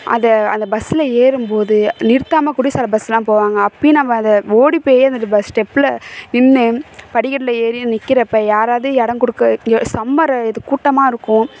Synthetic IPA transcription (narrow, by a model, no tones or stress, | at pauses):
ʔɐ̰nd̪ɐɐ̰nd̪ɐbɐsːɪlɐeːɾɯmpoːðɯnɪɾt̪ːaːmɐkʊɽɪsɐːlɐbɐsːɐlãːpoːʋaːŋɡɐːpːɐɽinɐmɐɐnd̪ɐoːɽipeːjɐɐnd̪ɐbɐsʈɛpːɪlnɪnːɯpɐɽɪkːɐʈːlɐeːɾɪnɪkːɪɾɐpːɐjaːɾaːʋðɯɛɽɐŋkɔɽɯkːɐsɐmːɐɾɐɛðɯkːuːʈːɐmaːɪɾɯkːʊ̃